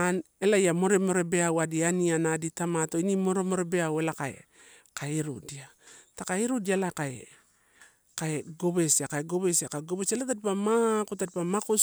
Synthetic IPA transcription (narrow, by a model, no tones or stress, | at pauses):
ane̞laiamo̞ɾe̞mo̞ɾe̞be̞awadianianaditamato̞inimo̞ɾemo̞ɾe̞beawe̞lakaḛ | kaiɾṵdiatakaiɾudialakae | kaeɡo̞βe̞siakaeɡo̞βesiakaeɡo̞besalatad̚pamakotadpamakus